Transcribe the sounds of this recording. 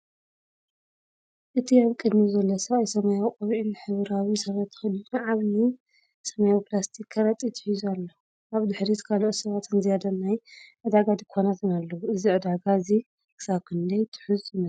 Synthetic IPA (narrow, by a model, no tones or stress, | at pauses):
ʔɨt̪ʰiaβkʼɨd̪mizɐlːosɐβajsɐmajawkʼɐβʕinħɨβɨɾawisɐβɐt̪ʰːɨ̥xɨd̪inʕaβni | sɐmajawpʰlast̪ʰikʰːɐɾɐt̪ʼit̪ʰɨ̥ħizualːo | ʔaβd̪ɨħɾit̪kʰaloʔot̪sɐβat̪ɨnzijad̪ɐnːajʕɨd̪aɡad̪ɨkʰːonat̪ʰɨnalːɐwuɨziʕɨd̪aɡaɨzi | kɨ̥saβkʰɨnd̪ɐjt̪ʰɨ̥ħʊzɨnɐ